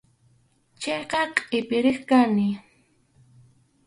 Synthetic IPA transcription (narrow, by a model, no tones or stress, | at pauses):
t͡ʃejqɑqʼɪpɪɾɪχkanɪ